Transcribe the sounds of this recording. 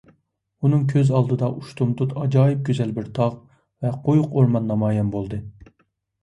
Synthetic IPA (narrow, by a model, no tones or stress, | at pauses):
unɨŋk̬ʲʰøzɑlˠd̪ɨd̪ɑʔuʃt̪ʰumt̪ut̪ɑd͡ʒɑːjip̚ɡʲøzɛlbɪɾt̪ʰɑʁ | vɛqʰojʊqoɾmɑnːɑmɑːjɑmbolˠd̪ɨ